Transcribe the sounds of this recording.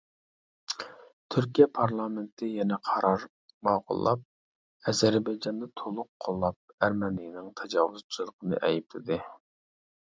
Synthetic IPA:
t̪ʰyɾk̬ʲijɛpʰɑɾlˠɑmɪnt̪ʰɪjɛnɛqʰɑɾɑɾ | mɑːqʰʊ̰lˠːɑp̚ | ɛzæɾbɑjd͡ʒɑnd̪ɑt̪ʰolˠʊqʰːolˠːɑp̚æɾmɛnijnɪŋt̪ʰɛd͡ʒɑːwʊzt͡ʃʰilˠəqʰənɨ̰ʔɛjip̚lɪd̪ɪ

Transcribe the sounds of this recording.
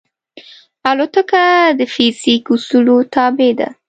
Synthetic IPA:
alot̪əkad̪əfizikusulot̪ɑbed̪a̰

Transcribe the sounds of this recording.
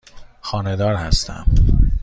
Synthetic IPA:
xɒːne̞d̪ɒːɾhæst̪ʰæ̰m

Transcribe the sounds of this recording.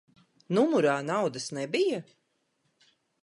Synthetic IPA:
numuɾaːnawd̪ɐsnɛbija

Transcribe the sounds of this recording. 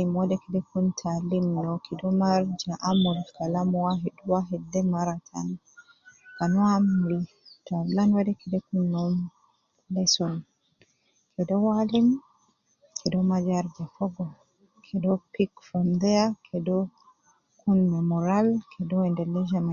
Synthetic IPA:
imwadɛkɛdɛkuntʰalimːɔkʰɛdɔmaɾd͡ʒaʔamɔlkʰalamɔwaɦɛduwaɦɛdɛmaɾatʰa̰n | kanɔamɾi | talanwadɛkɛdɛkunːɔm | lɛsɔn | kʰɛdɔwalim | kʰɛdɔmad͡ʒaɾd͡ʒafɔɡɔ | kʰɛdɔpikfɔnd̪ɛjakʰɛdɔ | kʰunmɛmɔɾalkʰɛdɔɛndɛlɛd͡ʒama

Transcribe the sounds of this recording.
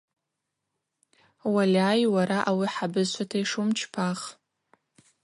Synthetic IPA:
walʲaːjwaɾaʔawiħabɨzʃʷʰatʰaiʂumt͡ʃʰpʰaχ

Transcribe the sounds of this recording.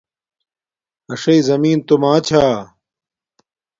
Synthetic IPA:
ɐʂeizɐmiːnt̪umãːt͡ɕʰaː

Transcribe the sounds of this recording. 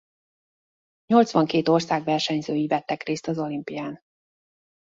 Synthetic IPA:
ɲo̞lt̪sʋɒŋkeːt̪o̞rsaːɡʋɛrʃɛɲzøːjivɛt̪ːɛkreːst̪ɒzo̞limpijaːn

